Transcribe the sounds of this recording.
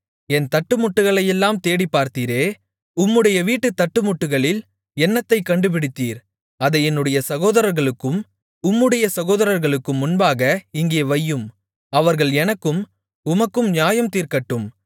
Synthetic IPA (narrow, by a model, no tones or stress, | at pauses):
ɛnt̪ɐʈːɯmʊʈːɯɣɐɭɐjɛlːaːmt̪eːɽipːaːɾt̪iːɾeː | ʊmːɯɽɐjɐʋiːʈːɯt̪ːɐʈːɯmʊʈːɯɣɐɭɪl | ɛnːɐt̪ːɐɪkːɐɳɖɯp̬ɪɽɪt̪ːiːɾ | ɐðɐɪɛnːɯɽɐjɐsɐɣoːðɐɾɐɾɣɐɭɯkːɯm | ʊmːɯɽɐjɐsɐɣoːðɐɾɐɾɣɐɭɯkːɯmːʊnbaːɣɐɪŋɡeːʋɐjːɯm | ɐʋɐɾɣɐɭɛnɐkːɯm | ʊmɐkːɯmɲjaːjɐmt̪iːɾkɐʈːɯm